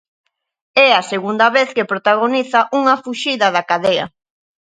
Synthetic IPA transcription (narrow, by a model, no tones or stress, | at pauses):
ɛaseɣund̪ɐβeθkepɾot̪aɣ̞oniθaʔuŋɐfuʃiðɐðakaðeɐ̰